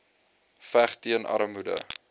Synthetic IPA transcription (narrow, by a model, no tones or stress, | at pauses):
fæχtiənʔɐ̰ɾəmudə̰